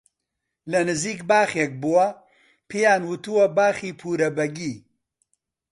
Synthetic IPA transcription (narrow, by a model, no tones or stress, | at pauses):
lɐnɨziːkbaːxeːk̚buwɐ | pʰeːjaːnwɨt̪uwɐbaːxiːpʰuːɾɐbɐɡiː